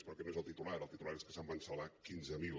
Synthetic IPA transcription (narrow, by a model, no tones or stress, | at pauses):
spɾɔkɛnoezəlˠt̪it̪ulaɾəlˠt̪it̪ulaɾeskə̥sambənsəlakinzəmil